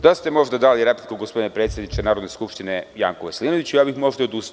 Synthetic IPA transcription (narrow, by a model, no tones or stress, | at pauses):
d̪ast̪e̞mo̞ʒd̪ad̪aliɾeplikuɡospo̞d̪inepɾet̪sjed̪nit͡ʃenaːɾod̪neskupʃt̪ineja̰ːŋkoʋesliːnoʋit͡ɕujaːbixmo̞ʒd̪aod̪ust̪